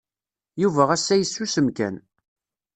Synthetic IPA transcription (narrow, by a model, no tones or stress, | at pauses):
juvæʁæsːæjəsːusəmkæ̰n